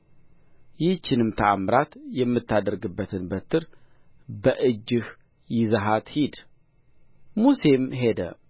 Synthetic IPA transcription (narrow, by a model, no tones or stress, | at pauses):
jɪht͡ʃːɪnɨmt̪ʰəamɾat̪jɛmːɨt̪ːad̪əɾɡɨbːət̪ʰɨnbət̪ʰːɨɾ | bəʔɨd͡ʒːɨh | jɪzəɦat̪hid̪ | muse̞mɦe̞d̪ə̰